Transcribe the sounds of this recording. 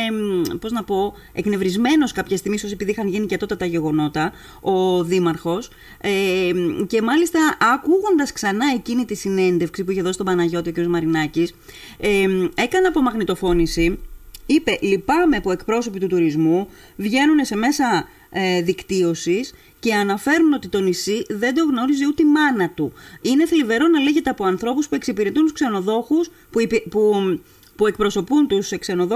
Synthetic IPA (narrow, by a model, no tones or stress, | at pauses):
po̞znɐpo̞ | e̞kne̞vɾizme̞no̞skɐpçest̪iɣmisos̬iepiðixɐnʝinicet̪o̞t̪ɐt̪ɐʝe̞ɣo̞no̞t̪ɐ | o̞ðimɐɾxo̞s | ece̞mɐlist̪ɐʔːkuɣo̞nd̪ɐsksɐnɐecinit̪isine̞nd̪e̞fksipuiçe̞ðoi̥st̪obɐnɐʝo̞t̪iociɾiozmɐɾinɐcis | e̞kɐneɐpo̞mɐɣnit̪o̞fo̞nisiipe̞lipɐmeɐpoe̞kpɾo̞so̞pit̪ut̪uɾizmu | vʝe̞nune̞se̞me̞sɐ | ðikt̪io̞sis | ce̞ɐnɐfe̞ɾuno̞t̪it̪o̞nisiðe̞nd̪o̞ɣno̞ɾiziut̪emɐnɐt̪uine̞θilive̞ɾo̞nɐle̞ʝe̞t̪e̞ɐpo̞ɐnθɾo̞puspue̞ksipiɾe̞t̪unt̪u̥skse̞no̞ðo̞xus | pu | pue̞k̚pɾo̞so̞punt̪usekse̞no̞ðo